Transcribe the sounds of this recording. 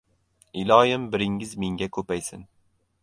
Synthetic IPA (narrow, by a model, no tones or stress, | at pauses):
ɪlɒjɪmbɪɾɪŋɪzmeŋɡʲakʰɵpajsɪ̰n